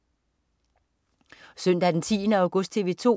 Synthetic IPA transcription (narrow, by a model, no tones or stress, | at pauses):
sœn̰d̥æd̥ent͡sʰḭːnəɑʊɡ̥ɔsd̥̚t͡sʰe̝ʋe̝ːt͡sʰo̝̰